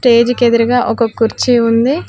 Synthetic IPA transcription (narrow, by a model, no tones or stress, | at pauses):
ʈe̞ːd͡ʒked̪uɾɐɡaːʔokɐkuɾt͡ʃiund̪i